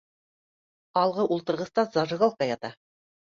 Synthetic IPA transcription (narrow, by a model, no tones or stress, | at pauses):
ɑlˠʁɤʔulˠt̪ɤ̆ɾʁɤ̆st̪ɑzɑʒɤ̆ɣolˠk̪ɑjɑt̪ɑ